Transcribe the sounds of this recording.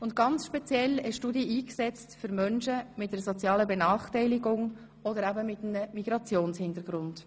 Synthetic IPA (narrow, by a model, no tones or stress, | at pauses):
ʊnt̚ɡ̥ɑnt͡sʃpɛt͡sjɛlɛʃtudiəiːksɛt͡stfʏɾmœnʃəmɪt̚d̥eɾsɔt͡sjɑːləbɛnɑːχtɛɪlɪɡʊŋ | ɔdəɾæbəmɪtmnəmiɡ̥ɾɑt͡sjoːnshɪndəɾɡ̥ɾʊnd̥